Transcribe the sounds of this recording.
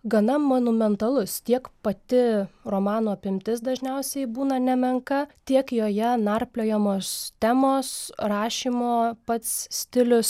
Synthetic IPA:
ɡɐnɐmonʊmʲɛnt̪ɐlˠʊst̪ʲiɛkpɐt̪ʲɪɾoːmɑːnoːɐpʲɪmʲt̪ʲɪsd̪ɐʒʲnʲɛʊsʲɛɪbuːnɐnʲɛmʲɛŋkɐt̪ʲiɛkjoːjɛnɐrpʲlʲoːjɛmoːst̪ʲæmoːsrɑːʃʲiːmoːpɐt̪ssʲt̪ʲɪlʲʊs

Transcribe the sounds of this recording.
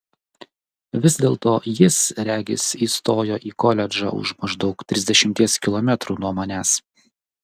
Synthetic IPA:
ʋʲɪzʲd̪ʲeːlˠt̪oːjɪsɾʲæːɡʲɪ̰siːst̪oːjoːʔiːkɔlʲɛd͡ʒɑ̰ʊ̰ʃmɐʒd̪ɒʊkt̪ʲɾʲɪzʲd̪ʲɛʃʲɪmʲt̪ʲiɛskʲɪlˠɔmʲɛt̪ɾuːnuɔmoːnʲæːs

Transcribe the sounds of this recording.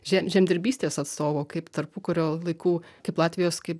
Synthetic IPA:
ʒʲɛmʒʲɛmʲd̪ʲɪɾʲbʲiːsʲt̪ʲeːsɐt̪st̪oːʋoːkɐɪpt̪ɐrpʊkɐɾʲoːlˠɐɪkuːkɐɪplˠɑːt̪ʲʋʲɪjoːskɐɪp

